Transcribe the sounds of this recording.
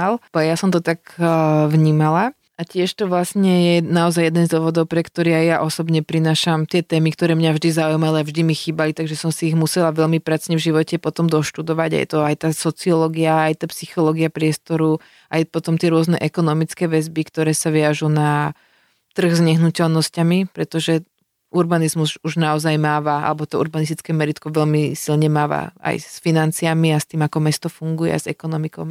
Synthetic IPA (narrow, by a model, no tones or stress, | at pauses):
aljasɔmt̪ɔt̪aɡʋɲiːmala | acɪɛʃt̪ɔʋlasɲɛjɛnaɔzajɛd̪ɛnzd̪ʊɔʋɔd̪ɔʊpɾɛkt̪ɔɾiajjaʔɔsɔbɲɛpɾinaːʃamt̪ɪɛt̪ɛːmikt̪ɔɾɛːmɲavʒd̪izaujmaliavʒd̪imixiːbalit̪aɡʒɛsɔmsiːɣmusɛlaʋɛʎmipɾat͡sɲɛvʒiʋɔcɛpɔt̪ɔmd̪ɔʃt̪ud̪ɔʋaɟa̰jɛ̰t̪ɔajt̪aːsɔt͡siɔlɔɡiaːjt̪aːpsixɔlɔɡiapɾɪɛst̪ɔɾu | ajpɔt̪ɔmt̪ɪɛɾʊɔznɛ̰ʔɛkɔnɔmit͡skɛːʋɛzbikt̪ɔɾɛːsaʋiaʒuna | t̪r̩ɣzɲɛɦnucɛlnɔscamipɾɛt̪ɔʒɛ | ʔuɾbanizmuzuʒnaɔzajmaːʋaa̰lɛbɔt̪ɔuɾbanist̪it͡skɛːmɛɾit̪kɔʋɛʎmisilɲɛmaːʋa̰a̰jsfinant͡siamiast̪iːmakɔmɛst̪ɔfuŋɡujɛ̰azɛkɔnɔmikɔʊm